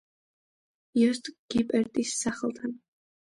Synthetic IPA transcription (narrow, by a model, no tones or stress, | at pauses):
jɔst̪ʼɡ̥ipʼɛɾt̪ʼisːaχəlˠt̪ʰan